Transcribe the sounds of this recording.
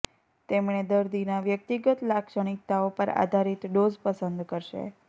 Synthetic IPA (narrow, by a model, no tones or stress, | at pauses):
t̪emɳ̃ed̪əɾd̪inaʋjək̚t̪iɡət̪lakʃəɳ̃ik̚t̪aopəɾa̰d̪ʱaɾit̪ɖozpəsənd̪kəɾʃḛ